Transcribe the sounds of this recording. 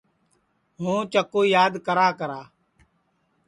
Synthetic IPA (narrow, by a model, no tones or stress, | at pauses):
ɦũːt͡ʃəkoːjaːd̪kəɾaːkəɾaː